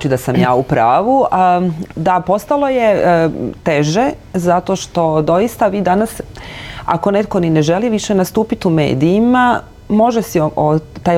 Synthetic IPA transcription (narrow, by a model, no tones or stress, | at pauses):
t͡ʃid̪asamjaːupɾaːʋu | d̪apo̞st̪alˠo̞je̞t̪eʒezat̪o̞ʃt̪o̞d̪o̞jist̪aʋiːd̪anas | a̰ko̞net̪̚konineʒe̞liʋiʃenast̪uːpit̪ume̞̰ːd̪iːma | mo̞ʒesiot̪ːaːj